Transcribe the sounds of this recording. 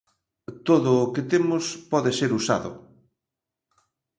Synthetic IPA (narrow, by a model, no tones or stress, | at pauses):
t̪oðʊːkɪt̪emʊspɔðeseɾusa̰ðʊ̰